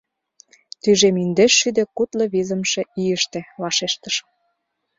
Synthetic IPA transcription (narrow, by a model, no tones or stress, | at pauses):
t̪yʒemind̪eʃːyd̪ĕkut̪lɤ̆βizə̆mʃe̽ijəʃt̪ĕlɑʃeʃt̪əʃ